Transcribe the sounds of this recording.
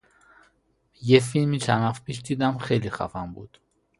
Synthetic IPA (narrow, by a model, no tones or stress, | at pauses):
jɛfːilmit͡ʃʰanafpiʃt̪ʰid̪amχɛliχa̰vɑmbṵt̪ʰ